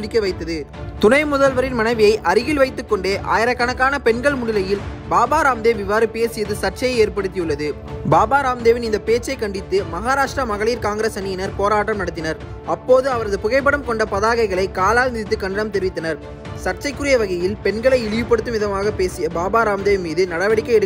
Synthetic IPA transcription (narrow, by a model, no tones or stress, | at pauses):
ɽɪkːɐɪʋɐɪt̪ːɐðɯ | t̪ʊnɐɪmʊðɐlʋɐɾɪnmɐnɐɪʋɪjɐɪʔɐɾɯɣɪlʋɐɪt̪ːɯkːɔɳɖeːʔa̰ːjɪɾɐkːɐnɐkːaːnɐpɛɳɡɐɭmʊɽɪlɐjɪlbaːbaːɾaːmd̪eːʋɪʋaːɾɯpeːsɪjɐðɯsɐʈ̚t͡ʃɐjɐɪeːɾpɐɽɯt̪ːijɯɭːɐðɯ | baːbaːɾaːmd̪eːʋɪnɪnd̪ɐpeːt͡ʃːɐɪkːɐɳɖɪt̪ːɯmɐɣaːɾaːʂʈɾɐmɐɣɐɭiːɾkaːŋɡɪɾeːsɐniɪnɐɾpoːɾaːʈːɐmnɐɽɐt̪ːɪnɐɾ | ɐpːoːðɯɐʋɐɾɐðɯpʊɣɐɪpːɐɽɐmkɔɳɖɐpɐðaːɣɐɪɣɐɭɐɪkːaːlaːlnɪðɪt̪ːɯkːɐɳɖɐɽɐmt̪ɛɾɪʋɪt̪ːɐnɐɾ | sɐʈ̚t͡ʃɐɪkːɯɾɪjɐʋɐɣɐjɪlpɛɳɡɐɭɐɪɪlɪjɯpːɐɽɯt̪ːɯmʋɪðɐmaːɣɐpeːsɪjɐbaːbaːɾaːmd̪eːʋɪnmiːðɯnɐɽɐʋɐɽɪkːɐɪɛɽɯ